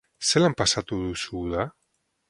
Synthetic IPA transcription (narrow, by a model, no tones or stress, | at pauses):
selampasat̪uðusuða